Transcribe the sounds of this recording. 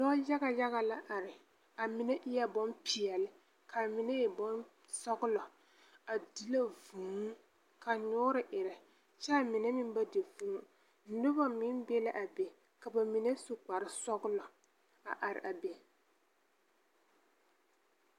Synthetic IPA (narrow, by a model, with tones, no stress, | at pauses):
dɔ˦ja˦ɡa˨ja˦ɣa˨la˦ʔa˨ɾɪ˨ | a˨mɪ˨˦nɛ˦ʔɪ˦jɛ˦bɔ˦mpʰi˨ɛ˨lɪ˦ | kʰa˨mɪ˨ne˦jɛ˨bɔ˦n | sɔ˦ɡʊ˦lɔ˨ | a˨di˦la˦vuː˨m˦ | ka˨ɲʊː˦ɾɪ˨ʔɪ˨ɾɪ˨ | t͡ʃa˦˨mɪ˨nɛ˦mɪ˦m˦ba˦de˨fu˦u˨˦ | nʊ˦ba˦mɪ˦nbɛ˦la˦ʔa˨be˨ | ka˨ba˨mɪ˨ne˦sʊ˨k͡pa˨ɾɪ˦sɔ˦ɡʊ˦lɔ˨ | a̰˨ʔa˨ɾɪ̰˨ʔa˨be˨